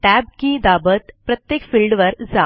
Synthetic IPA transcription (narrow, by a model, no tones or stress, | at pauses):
ʈæbkid̪abət̪pɾət̪jekfilɖʋəɾd͡za